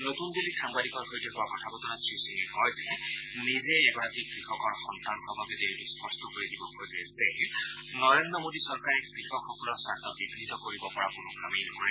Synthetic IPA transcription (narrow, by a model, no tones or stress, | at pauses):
notundilikʰaŋbadikɔɹxojtɛkuwakɔtʰabɔtɔnatɹisiŋɛkɔjzɛɛ | nizeːɡɔɹad̪ʱik̚pɹixɔkɔɹxɔnt̪ankʰɔbʱabɛdeɹituspɔstɔkoɹidibɔkojzɛze | nɔɹendɹɔmodisɔɹkaɹɛk̚ɡixɔkʰɔkʰunɔsatʰɔtbibnit̪ɔkoɹibɔpɔɹakʊnʊɡɹa̰minɔkɔɹɛ